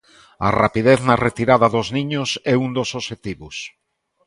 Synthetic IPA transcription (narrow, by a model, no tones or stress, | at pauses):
ɐ̰rapiðeθnɐret̪iɾaðɐðoznĩɲʊsɛund̪osoʃet̪iβʊs